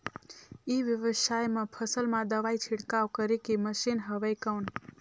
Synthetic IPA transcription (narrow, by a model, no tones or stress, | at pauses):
iʋjəʋəʃajmãpʰəsəlmãd̪əʋait͡ʃʰɪɽkaʋkəɾikiməʃinɦəʋəjkəwn